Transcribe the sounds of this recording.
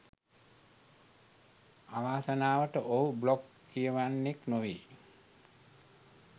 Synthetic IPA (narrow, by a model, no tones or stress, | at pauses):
aʋaːsənaːʋəʈəʔoɦublokːijəʋanːeknoʋiː